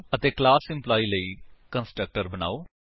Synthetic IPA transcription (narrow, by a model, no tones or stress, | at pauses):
ət̪eːklaːsɪ̃mplaːiːləiːkənsʈɾək̚ʈəɾbəna̰ːoː